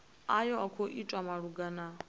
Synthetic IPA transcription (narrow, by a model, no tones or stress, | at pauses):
ajɔakʰɔʔit͡ʃʼwamaɺuɡana